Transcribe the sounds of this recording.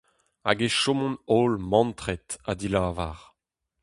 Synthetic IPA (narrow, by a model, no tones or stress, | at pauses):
a̰ɡeʃomɔ̃nolmɑ̃nt̪ʁɛt̪ad̪ilaːva̰ʁ